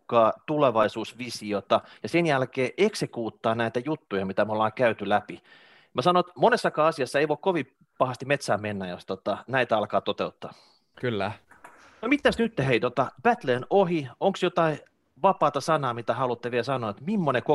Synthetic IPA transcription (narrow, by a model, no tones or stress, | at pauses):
kɑːt̪uleʋɑisuːsʋisiot̪ɑjɑsenjælkeːʔeksekuːt̪ːɑːnæit̪æjut̪ːujɑmit̪æmeolːɑːŋkæyt̪ylæpi | mæsɑnoet̪monesːɑkɑːɑsiɑsːɑeiʋoikkoʋi | pɑhɑst̪imet̪sæːmenːæjost̪ot̪ɑnæit̪æɑlkɑːt̪ot̪eut̪ːɑ̰ː | kylːæ | nomit̪ːˑæsnyt̪ːeheit̪ot̪ɑb̥æt̪leːnohioŋksjot̪ɑi | ʋɑpɑːt̪ɑsɑnɑːmit̪æhɑlut̪ːeʋiesɑnoːet̪mimːoneko